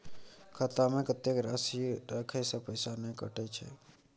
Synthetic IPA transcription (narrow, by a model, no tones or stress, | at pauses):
kʰət̪amẽkət̪ːekɾasiɾəkʰəsə̃pəɪsanəkəʈɛt͡ʃʰɛ̰